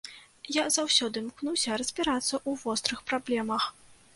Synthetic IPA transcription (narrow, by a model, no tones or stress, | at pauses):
jazawsʲɔd̪ɨmknuwsʲɐɾɐzʲbʲiɾat̪sːɐʔuvɔst̪ɾɨxpɾablʲɛmɐx